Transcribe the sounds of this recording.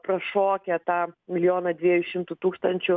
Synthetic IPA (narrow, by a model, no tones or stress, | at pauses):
pɾɐʃoːkʲɛt̪ɑːmʲɪlʲjoːnɐd̪ʲʋʲiɛjʊʃʲɪmt̪ʊt̪uːkst̪ɐnʲt͡ʃʲʊ